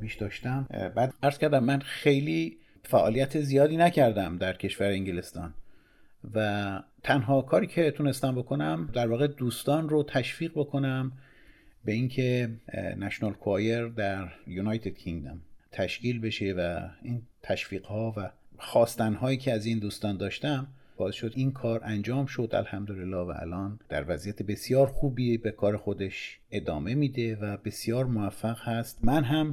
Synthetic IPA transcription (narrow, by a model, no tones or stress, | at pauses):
piːʃd̪ɒːʃt̪æmbæd̪æɾz̥kæɾd̪æmːænxejliː | fæʔɒːlijæt̪ʰezijɒːd̪iːnæcʰæɾd̪æmd̪æɾcʰe̞ʃvæɾeeŋɟele̞st̪ɒ̰ːn | væt̪ʰænɦɒːkʰɒːɾiːcʰe̞t̪ʰune̞st̪æmbo̞kʰo̞næmd̪æɾvɒːɣe̞d̪uːst̪ɒːnrot̪ʰæʃfiːɣbo̞kʰo̞næm | be̞iŋcʰenæʃonɒlkʰoɒːjeɾd̪æɾjunɒːjt̪ʰed̪̥̚kʰiŋɡd̪omt̪ʰæʃciːlbe̞ʃe̞væiːnt̪ʰæʃfiːɣ̥hɒːvæxɒːst̪ænɦɒːjiːcʰeæziːnd̪uːst̪ɒːnd̪ɒːʃt̪æm | b̥ɒːe̞sʃod̪iːnkʰɒːɾʔænd͡ʒɒːmʃo̞d̪æ̰lhæmd̪olelːɒːvæ̰ʔæ̰lʔɒːnd̪̥æ̰ɾvæzijæt̪ʰebe̞sjɒːɾxuːbiːbekʰɒːɾe̞xo̞d̪e̞ʃ | ʔe̞d̪ɒːme̞miːd̪e̞væbe̞sijɒːɾmovæfːæɣhæst̪mænɦæm